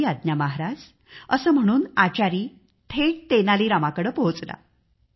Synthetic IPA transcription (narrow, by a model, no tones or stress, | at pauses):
iad̪̚njamaɦaɾad͡z | əsəːm̤əɽ̃uːnat͡ɕaɾiː | t̪ʰeʈ̚t̪enaliːɾamakəɽəːpəɦot͡sla̰